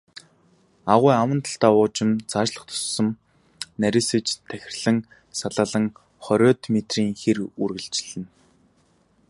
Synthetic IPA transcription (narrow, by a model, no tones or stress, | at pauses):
aʁʊjawə̆nt̪ʰə̥ɬt̪aːʊːt͡ɕɪ̆mt͡sʰaːʃɮə̆χt̪ʰʊ̥sːɞ̆m | næɾʲĭsɘ̆t͡ɕt̪ʰæxʲɪ̆rɮɘ̆ŋ | saɮaːɮə̆ŋ | χɔɾʲɔːt̪met̪riːŋxerurɣɘ̆ɮt͡ɕɪ̆ɮɘ̆n